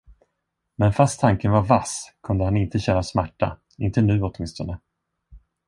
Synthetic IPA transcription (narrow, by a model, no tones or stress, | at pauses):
mɛnfast̪ʰːaŋkənvaɾvaskʰɵnd̪əhanɪnt̪əɕɛnasmæʈːa̰ | ɪnt̪ənʉ̟ːɔt̪mɪnst̪ɔnə